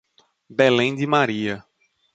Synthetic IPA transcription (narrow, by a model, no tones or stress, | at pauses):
belẽj̃d̪ɪmaɾiɐ